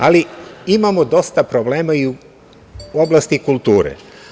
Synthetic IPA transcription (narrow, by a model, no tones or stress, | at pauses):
aliimamod̪o̞st̪apɾobleːmaiu | o̞blˠast̪ikulˠt̪uːɾḛ